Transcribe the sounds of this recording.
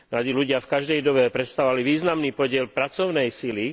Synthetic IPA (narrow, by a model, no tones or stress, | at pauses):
ad̪iluɟɪafkaʒd̪ɛjd̪ɔbɛpɾɛt̪st̪aɔʋaliʋiːznamniːpɔɟɪɛlpɾat͡sɔʊnɛjsili